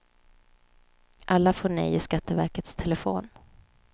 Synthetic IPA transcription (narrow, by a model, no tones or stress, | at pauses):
ʔalːafoːɳɛ̰jɪskat̪ːəvæɾkət̪st̪ʰɛlɛfoːn